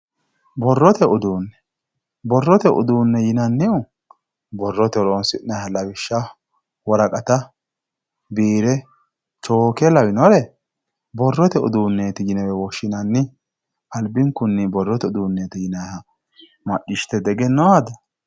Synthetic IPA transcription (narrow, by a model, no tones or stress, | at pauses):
bɔrːɔt̪ɛʔʊd̪uːnːɛ | bɔrːɔt̪ɛʔʊ̰d̪uːnːɛjɪnɐnːɪʊ | bɔrːɔt̪ɛɾɔnsɪnɐhɐlɐwɪʃːɐ | wɔɾɐkʼɐt̪ɐ | biːɾɛ | t͡ʃoːkɛlɐwɪnɔɾɛ | bɔrːɔt̪ɛʊ̰d̪uːnːeːt̪ɪjɪnɛwɛwɔʃːɪnɐnːɪ | ɐlbɪŋkʊnːɪbɔrːɔt̪ɛʊd̪uːnːeːt̪ɪjɪnɐhɐ | mɐʔɪʃt̪ɛd̪ɛɡɛnːɔad̪ɐ